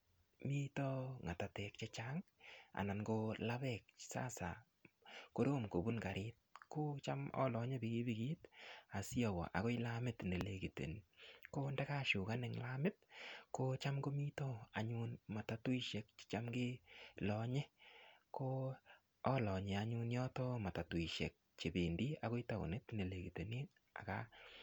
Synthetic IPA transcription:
mi˦tɔ˦ŋa˨ta˨tɛ˨k̚t͡ʃe˦t͡ʃaŋa̰˨na˨nɡo˧la˦βɛ˦˨k̚sa̰˦sa̰˨ | ko˦ɾo˦mko˨bu˦nka˨ɾʔɪt̚ko˦t͡ʃa˦mɔ̰˦lɔ˨ɲe˦bi˨ɡi˦bi˨ɡi˦ta˨sjɔ˨wɔ̰˨ʔa̰˨ko˦ɪ˦la˦mɪ˦tne˨le˨ki˨tḛ˨nko˦ndɛ˦ka˦ʃʊ˨ka˦nɪ˨ŋla˦mɪ˦t̚ko˦t͡ʃa˦mko˦mi˦to˦a˨ɲu˦nma˨ta˨tu˦i˦ʃe˨k̚t͡ʃa˦mɡɪ˦lɔ˨ɲe˦ko˦ | ɔ˦lɔ˨ɲɛ˨a˦ɲu˦njɔ˦tɔ˦ma˨ta˨tu˨i˨ʃe˨k̚t͡ʃe˨be˨ndi˦a˨ko˦i˦ta˨ʊ̰˨nɪ˦tne˨le˨ki˨te˨ni˦t | a̰˨ka̰˦

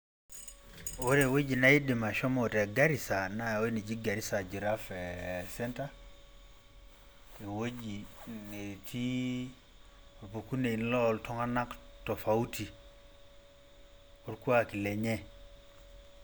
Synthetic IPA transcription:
we˦ɾe˨we˦d͡ʒi˨na˦i˦di˨ma˨ʃɔ˦mɔ˨te˨ɡa˦ɾi˨sa˨na˦o˦i˦ni˨d͡ʒi˦ɡa˨ɾi˦sa˨d͡ʒi˨ɾa˦fe˨sɛ˦nta˦ | e˨wo˦d͡ʒi˨ne˨tʰi˦ | o˨po˨ku˦ne˨i˨n˦lɔ˦ltɔ˦ŋa˦na˦kto˨fa˨u˦ti˨ | o˦ɾku˦a˦ki˨le˨ɲɛ˦

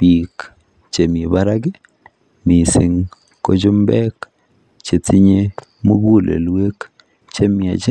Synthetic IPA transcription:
pi˨k | t͡ʃe˨m˨e˨ba˦ɾa˦ɡe˦ | mi˨si˨ŋ | ko˦d͡ʒʊ˦mbɛ˦k | t͡ʃe˨t͡si˦ɲe˦ | mu˦bu˦lʔḛ˨lwe˦k | t͡ʃe˦mja̰˨d͡ʒe˦

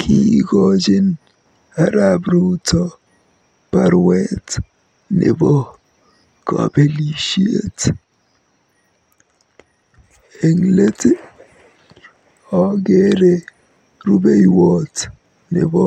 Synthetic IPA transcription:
kʰiɡɔd͡ʒɪ˦n | a˦ɾabɾu˦tʰɔ˦ | pa˨ɾwɛt | nɪ̰˨bɔ˦ | kɔ̰be˦liʃi˦ḛ˦t | e˨ŋle˦t | ɔ˨ɡe˦ɾe˨ | ɾu˦be˦jwɔt | nɪ̰˨bɔ˦

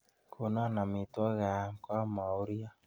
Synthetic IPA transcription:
kʰo˨na˦na˨mi˨twɔ˦ɣa˨kwa˦ma˨o˦ɾi˦a˦

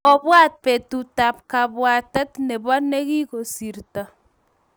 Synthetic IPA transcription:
ɔ˦˨βwa˦t̚pe˨tu˨ta˨p̚ka˨βwa˨tɛ˦tnɛ˨βa˦ne˦ɣi˦ko˨si˨ɾta˨

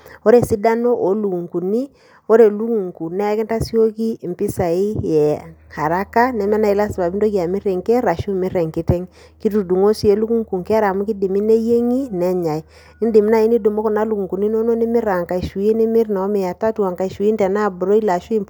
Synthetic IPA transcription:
o˦ɾe˨si˦da˦no˦ʔo˨˦lu˨u˨ŋku˨ni˦ | o˦ɾe˨lu˦ku˨ŋku˨nɛ˦kɛ˦nta˦si˦o˦ki˦˨mpi˦sa˨i˦jɛ˨ha˨ɾa˦ka˦nɛ˦mɛ˦na˦i˨la˦sba˨bi˦ndo˦ki˦a˨mɪ˦ɾɛ˨ŋkɛ˦ɾa˨ʃu˦mɪ˦ɾɛ˨ŋki˦tɛ˦ŋ | ki˦tu˨du˨ŋo˦si˨˦e˨lu˦ku˦ŋku˨ŋke˦a˦ɾa˨mu˦ki˦di˨mi˦ne˦je˦ŋi˦nɛ˦ɲa˨i˦ | i˦ndi˨mi˦na˦i˦ni˦du˨mo˦kɔ˨na˦lu˨ku˨ŋku˨ni˦no˦no˦ni˦mɪ˦ɾa˨ŋka˨i˨ʃu˨i˦ni˦mɪ˦rna˨ɔ˦me˨ja˨ta˦twa˨ŋka˨i˨ʃu˨˦i˦ntɛ˨na˦˨bʊ˨ɾo˦i˦la˨ʃu˦i˦

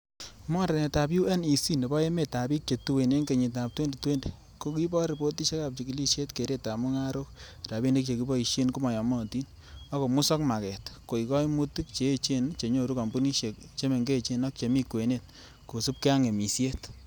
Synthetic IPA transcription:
mɔ˦nɾe˨ne˨ta˨bju˦ɛ˦ni˨si˦ne˨bɔ˦e˦me˨ta˨bi˦k̚t͡ʃe˨tu˦we˨ne˦nke˨ɲi˨ta˨p̚twe˦nde˨twe˦nde˨ | ko˦ki˦bɔ˦ɾe˨bo˦ti˦ʃe˦ka˨p̚t͡ʃi˨ki˨li˦sje˦tke˨ɾe˦ta˨mu˦ŋa˦ɾo˦kta˨bi˦nde˦k̚t͡ʃe˨ki˦bɔ˦i˨ʃe˦nku˦mɔ˨jɔ˨mɔ˦˨ti˦n | ɔ˦ko˨mʊ˦sɔ˦kma˨kɛ˨tko˨i˨kɔ˦jmu˦ti˦k̚t͡ʃeː˨˦t͡ʃe˦nt͡ʃe˨ɲo˦˨ɾu˦ka˨mbu˦ni˦ʃe˨k | t͡ʃe˦me˨ŋɡe˦˨t͡ʃe˨nɔ˦k̚t͡ʃe˨mi˦kwe˨ne˨t̚ | ko˨su˦p̚ke˦a˦ŋe˨mi˨sje˦t

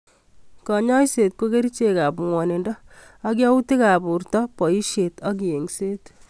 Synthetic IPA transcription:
kɔ˨ɲɔ˦jse˨t̚ko˦ke˦ɾit͡ʃe˨ka˨pŋwɔ˨ne˨ndɔ˦ | a˦k̬jɔ˦u˦ti˦ka˨pu˨rtɔpɔ˨i˦ʃe˨tɔ˦k̬i˨je˨ŋseː˦t

